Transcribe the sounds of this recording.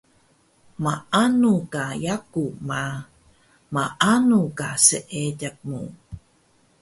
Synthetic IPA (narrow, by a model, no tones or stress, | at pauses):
maʔanukajakuma | maʔanukasəʔeɟak̚mu